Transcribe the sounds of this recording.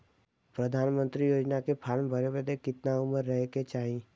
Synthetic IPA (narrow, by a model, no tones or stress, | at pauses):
pɾəd̪ʱaːnmə̃nt̪ɾijoːd͡ʒnakepʰaːɾmbʱəɾebəd̪ekɪt̪naʊməɾːəɦket͡ʃaːɦĩ